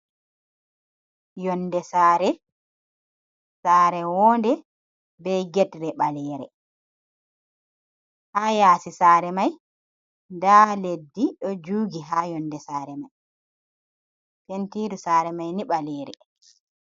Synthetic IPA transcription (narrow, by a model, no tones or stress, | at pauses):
jɔnːdɛsaːɾɛ | saːɾɛwɔːndɛ | bɛjɡɛtɾɛɓalɛːɾɛ̰ | ʔajaːsisaːɾɛmaj | ndaledːiɗɔd͡ʒuːɡiɦajɔndɛsaːɾɛmaj | pentiːdusaːɾɛmajniɓalɛːɾɛ̰